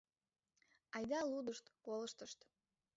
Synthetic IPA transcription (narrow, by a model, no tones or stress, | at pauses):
ɑjd̪ɑlud̪əʃt̪koləʃt̪əʃt̪